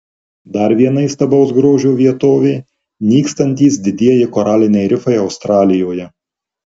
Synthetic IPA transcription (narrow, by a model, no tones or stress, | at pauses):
d̪ɐɾʋʲiɛnɐɪst̪ɐbɒʊs̬ɡɾoːʒʲuːʋʲiɛt̪oːʋʲɛɪ | nʲiːkst̪ɐnʲt̪ʲiːsd̪ʲɪd̪ʲiɛjɪkoːɾɑːlʲɪnʲɛɪɾʲɪfɐɪɒʊst̪ɾɑːlʲɪjoːjɛ